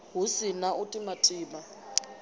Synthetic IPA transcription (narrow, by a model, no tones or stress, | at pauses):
ɦusinaʔutʼimatʼiːma